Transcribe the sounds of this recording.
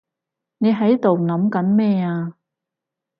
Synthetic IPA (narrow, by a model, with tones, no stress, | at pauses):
ne˨˧jɦɐ˨˥jt̪o˨wnɐ˨˥mkɐ˨˥nmɛː˥˧aː˧